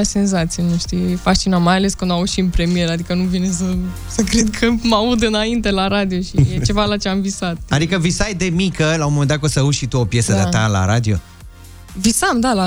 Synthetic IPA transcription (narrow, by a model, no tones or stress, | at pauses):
ase̞nzat̪sijenuʃt̪iefast͡ʃinamːajale̞skɨnd̪auʃinpɾe̞mije̞ɾad̪ikənuvines̬ə | səkɾed̪kʰəmaud̪ɨnaint̪e̞laɾad̪ioʃijet͡ʃe̞valat͡ʃeamvisat̪̚ad̪ikəvisajd̪e̞mikəlaunmomend̪akosəuʃit̪uopje̞səd̪at̪ala̰ɾa̰d̪io̰ | visamd̪ala